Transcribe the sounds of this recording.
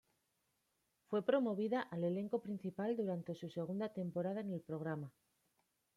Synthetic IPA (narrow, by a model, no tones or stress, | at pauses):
fwe̞pɾo̞mo̞β̞iðaʔale̞le̞ŋko̞pɾin̟θipald̪uɾant̪e̞suse̞ɣ̞und̪at̪e̞mpo̞ɾað̞aene̞lpɾo̞ɣ̞ɾama